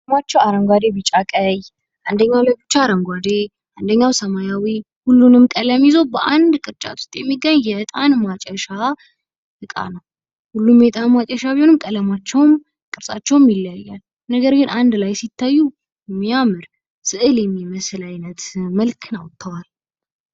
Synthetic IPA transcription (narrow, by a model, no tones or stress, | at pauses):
mat͡ʃːɛwaɾəŋɡʷad̪ebɨt͡ʃʼakʼəj | ʔand̪əɲːawləbɨt͡ʃːaɾəŋɡʷad̪e | ʔand̪əɲːawsəmajawi | hulːunɨmkʼələmjizowbəʔand̪kʼɨɾt͡ʃʼa̰t̪ʰo̥st̪ʼjɛmːiɡəɲːjɛt̪ʼanmat͡ʃʼɛʃa | ʔɨkʼa̰nəw | hulːumjɛt̪ʼanmat͡ʃʼɛʃaβbihonɨmkʼələmat͡ʃːɛwm | kʼɨɾsʼat͡ʃːɛwmjɪlːajːal | nəɡəɾɡɨnand̪lajsit̪ʰːajːu | mijamɨɾ | sɨʔɨljɛmːiməslajnət̪məlkʰna̰wt̪ʰːəwal